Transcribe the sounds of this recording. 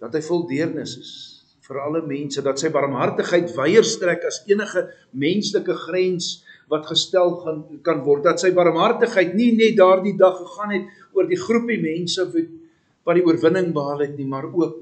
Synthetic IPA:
d̥ɐtɦəjfɔlˠdiərnəsəs | fəɾɐləmɛnsədɐtsəjbɐɾəmɦɐrtəχɦəjtvɛjərstrækɐsiənəχə | mɛnsləkəχrɛns | vɐtχəstælˠkɐnvɔrt̚dɐtsəjbɐɾəmɦɐrtəχɦəjtninɛt̚dɑːrdidɐχːəχɑːnɦɛt̚ | uərdiχrupimɛnsəvu | bɐdiuərvənəŋbəɦɑːlɛtnimɐruək̚

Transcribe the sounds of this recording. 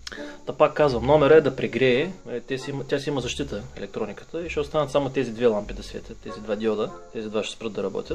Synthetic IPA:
t̪apakːazvɐmnɔmɛɾəɛd̪ɐpɾɛɡɾɛːt̪ʲɛsiimt̪ʲjasiiməzɐʃt̪it̪əɛ̰lɛk̚t̪ɾɔnʲikə̥t̪əiʃɛost̪anɐt̪samot̪ɛzid̪vɛlˠampid̪ɐsvʲɛ̰t̪ʲət̪ɛzid̪vad̪ʲjɔd̪ət̪ɛzid̪vaʃɛ̥spɾɤd̪ɐɾɐbɔ̰t̪ʲət̪̚

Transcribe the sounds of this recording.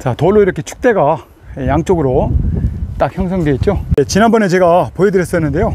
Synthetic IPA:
t͡ɕatoɭːoiɾʌkʰe̞t͡ɕʰu̥k̚t͈e̞ɡa | ejaŋt͡ɕ͈oɡɯɾo | t͈ak̚çjʌŋs̬ʰʌŋde̞it̚t͡ɕ͈ojet͡ɕinanbʌne̞t͡ɕe̞ɡapoedɯɾjʌs͈ʌnːɯnde̞jo

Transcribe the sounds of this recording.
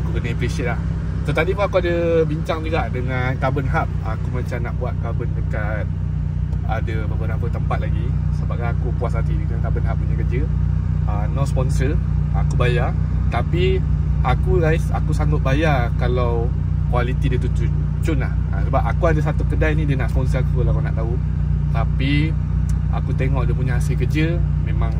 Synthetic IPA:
akukənaiplisit̪̚lah | t̪ət̪adipunakuadəbiɲt͡ʃaŋliɡaʔdəŋankabənɦap̚akumãɲt͡ʃamnaʔbuat̪̚kabəndəkat̪̚ | adəbəbənapət̪əmpat̪̚laɡisəbaɡajakupuas̬at̪idəŋank̪abənɦap̚əɲəkəd͡ʒəənɔʔspɔnsəakubaja | t̪apiakuɾaɪsa̰kusaŋɡʊt̪̚bajakalaw | kwalit̪idiət̪ut͡ʃu | t͡ʃʊnlaha̰səbapakuadəs̬at̪ukədajnĩdiənaʔspɔnsəakulakana̰ʔt̪au | t̪api | a̰kut̪eŋɔʔdəp̬uɲaasəkəd͡ʒə | mẽmãŋ

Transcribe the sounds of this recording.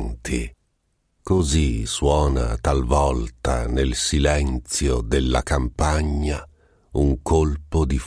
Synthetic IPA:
nt̪ʰḭ | koziswɔːna̰t̪alvɔlt̪a̰nelsilɛnt̪sjod̪elːa̰kampaɲːa | uŋkolpod̪if

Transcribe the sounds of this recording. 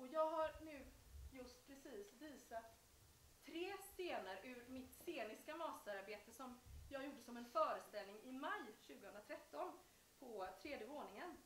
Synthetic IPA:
ɔjɑːɡɦaɾnʉ̟ːjɵst̪pʰɾɛsiːsviːsat̪ʰː | ɾeːst̪eːnaɾʉ̟ːɾmɪt̪seːnɪskamɑːsəɾaɾbeːt̪əsɔmjɑːɡjuːɖəsɔmɛnfœːɾəst̪ɛlnɪŋɪmajɕʉ̟ːɡəhɵnɾat̪ʰɾɛt̪ʰːɔn | pʰɔt̪ʰɾeːd̪jəvoːnɪŋən

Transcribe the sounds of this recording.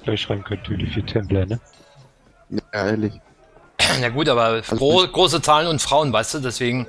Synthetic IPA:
laɪçʃʁaɪm̩kʰœntəidiːfiːtʰɛmplɐnə | neːɐlɪç | jaɡuːtʔaːbɐʁɡ̥ʁoːs̬ət͡saːlənʊntfʁ̥aʊənvaɪstd̥uːdɛsv̥eːɡŋ̩

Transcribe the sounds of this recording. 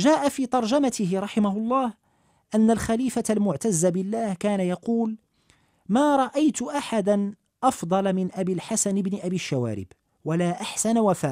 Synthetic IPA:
ʒaːʔafiːt̪ˤɑɾˤd͡ʒamat̪ɪɦɪɾˤɑħɪmahʊlˤːɑːh | ʔanːalxaliːfalmʊʕt̪azːabɪlːaːhkaːnajɑquːl | maːɾˤɑʔajt̪ʊʔaħad̪an | ʔɑfd̪ˤɑlmɪnʔabiːlħasanɪbnɪʔabiːʃːawa̰ːɾɪ̰b | walaːʔaħsanawafaːʔ

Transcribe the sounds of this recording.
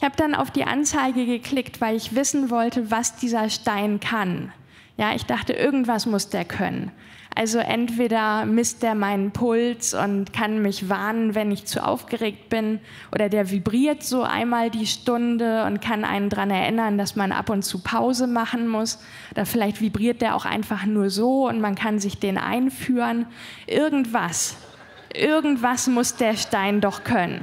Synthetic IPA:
ɪçhaːbədana̰ʊfd̥iːʔa̰nt͡saɪɡəɡəkʰl̥ɪktv̥aɪlɪçv̥ɪsn̩vɔltəvasd̥iːzɐʃtaɪnkʰan | jaːʔɪçd̥aχtəʔɪɐɡŋ̩tv̥asmʊsd̥eːɐkʰœ̰nə̰n | ʔa̰lzoʔɛ̰ntv̥eːdɐmɪst̚d̥eːɐmaɪnənpʰʊlt͡sʊ̰ntkʰanmɪçvaɐnənvɛnɪçt͡sṵʔa̰ʊfɡ̥əʁeːk̚t̚b̥ɪn | ʔo̰ːɾɐdeːɐvibʁiːɐtz̥oːʔa̰ɪnmaːldiːʃtʊndəʊ̰nt̚kʰanʔa̰ɪnəndʁanɛɐʔɪnɐndasmanʔa̰pʊntt͡suːpʰaʊzəmaχn̩mʊs | ʔoːdɐfɪlaɪçtv̥ibʁiːɐt̚d̥eːɐʔa̰ʊxʔa̰ɪnfaχnuːɐzoːʊntmankʰanzɪçd̥eːnʔa̰ɪnfyːʁənʔɪɐɡŋ̩tv̥as | ʔɪɐɡŋ̩tv̥asmʊsd̥eːɐʃtaɪndɔχkʰœnə̰n

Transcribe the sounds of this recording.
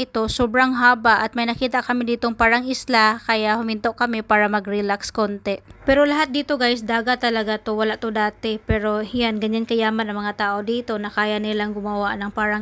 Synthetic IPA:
ɪt̪o̞sobɾaŋɦaːbaʔɐt̪̚mɐjnɐkiːt̪aʔkɐmɪd̪iːt̪oŋpaːɾɐŋɪslakɐjaʔhʊmɪnt̪o̞ʔkɐmɪpaːɾɐmɐɡɾɪlakskont̪ɛpɛɾo̞lɐɦat̪̚d̪iːt̪o̞ɡajsd̪aːɡat̪ːɐlɐɡat̪owɐlaʔt̪od̪aːt̪ɪpɛɾo̞hɪjanɡɐɲankɐjaːmanɐŋmɐŋat̪aːʔod̪iːt̪o̞nɐkaːjanɪlaŋɡʊmɐwaʔnɐŋpaːɾaŋ

